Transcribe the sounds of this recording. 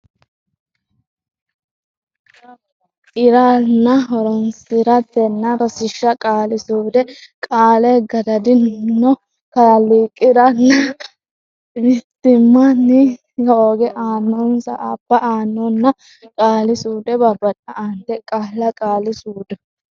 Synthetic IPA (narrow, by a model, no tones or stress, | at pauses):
ɪɾaːnːɐɦɔɾɔnsɪɾɐt̪ːɛnːɐɾɐsɪʃːɐkʼaːlɪsuːd̪ɛkʼaːlɛɡɐd̪ɐd̪ɪnːɔ | kɐlːikʼːɪɾɐnːɐ | ɪt̪ːɪmːɐnːɪ | hoːɡɛʔaːnːɔnsɐ̰ʔab̥ːɐʔaːnːɔnːɐ | kʼaːlɪsuːd̪ɛbɐbːɐtʼːɐʔɐnd̪ɛkʼaːlːɐkʼaːlɪsuːd̪ɛ